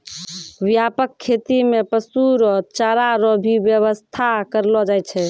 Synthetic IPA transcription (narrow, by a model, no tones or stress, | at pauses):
ʋjapəkʰːet̪imepəsuɾɔt͡ʃaɾaɾɔbʱibjəβəst̪ʰakəɾlɔd͡ʒajt͡ʃʰɛ